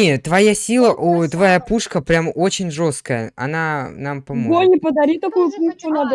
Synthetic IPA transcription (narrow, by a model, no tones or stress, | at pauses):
et̪vɐjasʲilˠəʔut̪vɐjapuʂkəpɾʲamo̞t͡ɕɪnʲʐo̞st̪kəjə̰ɐ̰nanampɐmoolʲnʲɪpəd̪ɐɾʲit̪ɐkujʊput͡ʃʊnab̪